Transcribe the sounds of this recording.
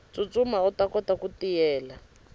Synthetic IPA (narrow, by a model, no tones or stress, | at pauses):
t͡sut͡sʼumautakɔtakutijɛːla